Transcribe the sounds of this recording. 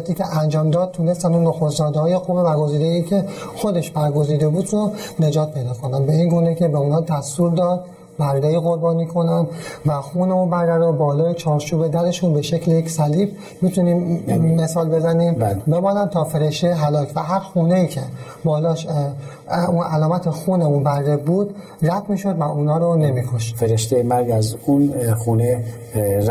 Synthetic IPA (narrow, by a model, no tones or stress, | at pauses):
t̪ʰiːcʰeʔænd͡ʒɒːmd̪ɒːd̪̥̚t̪ʰːuːne̞st̪ænd̪unːoxost̪d͡ʒɒːd̪ehɒːje̞qumebæɾɡo̞ziːd̪eiːcʰe̞xo̞d̪e̞ʃbæɾɡo̞ziːd̪e̞buːd̪one̞d͡ʒɒːt̪̚pʰe̞jd̪ɒːkʰo̞nænbeiŋɡuːne̞cʰe̞beunhɒːd̪æst̪uːɾd̪ɒːd̪̚ | bæɾd̪eiːɣoɾbɒːniːkʰo̞nænvæxuːneubæɾɡæɾd̪ebɒːlɒːjet͡ʃʰɒːɾt͡ʃʰuːbe̞d̪æɾe̞ʃunbe̞ʃecʰlejecsæliːb | mit̪ʰuniːmːe̞sɒːlbe̞zæniːmbbe̞bɒːnænt̪ʰɒːfe̞ɾeʃt̪eɦælɒːcʰvæɦæɾxuːneiːcʰe̞ | bɒːlɒːʃ | unʔælɒːmæt̪ʰexuːneunbæɾːebuːd̪̥ | ræd̪miːʃo̞d̪væuːnɒːɾone̞mikʰo̞ʃt̪feɾeʃt̪ejemæɾɡæzunxuːne